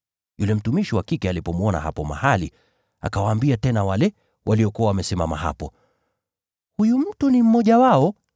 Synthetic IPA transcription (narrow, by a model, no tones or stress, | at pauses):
julɛm̩tumiʃiwakikɛalipɔmwɔna̰ha̰pɔma̰halḭ | a̰kawaːmbiatɛnawalɛ | wʔaliɔkuwawamɛsɛmama̰ha̰pɔ | hujum̩tunim̩mɔʄawaɔ